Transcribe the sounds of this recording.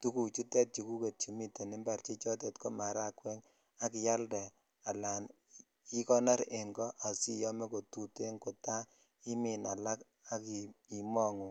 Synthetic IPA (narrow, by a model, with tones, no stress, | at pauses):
tu˦ku˨t͡ʃu˦tɛ˦t̚t͡ʃi˨ku˦ke˨t̚t͡ʃi˨mi˦te˨nɪ˦mba˨ɾt͡ʃi˦t͡ʃɔ˦t̬e˨tko˦ma˨ɾa˦kwɛ˦ŋ | a˦kɪ˨ja˦ldɛ˨ | a˨la˨n | i˦kɔ˦na˦ɾe˨ŋɡɔ˦ʔa˨si˦jɔ˦me˦ko˨tu˨te˦ŋko˨ta˦ | i˦mi˨na˨la˦k | a˦ki˨i˨mɔ˦ŋu˨